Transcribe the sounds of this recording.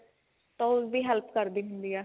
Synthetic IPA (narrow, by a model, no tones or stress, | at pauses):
t̪õʋiːɦɛlpkəɾd̪iːɦʊ̃nd̪iːɛː